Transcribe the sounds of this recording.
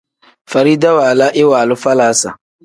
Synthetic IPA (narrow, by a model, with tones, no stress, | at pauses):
fa˨ɾi˦da˦waː˨la˦ʔɪ˦wa˨lʊ˦fa˦laː˨˦sa̰˨